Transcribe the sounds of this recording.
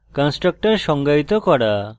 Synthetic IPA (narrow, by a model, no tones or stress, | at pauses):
kansʈɾək̚ʈəɾʃɔŋɡajt̪ɔkɔɽa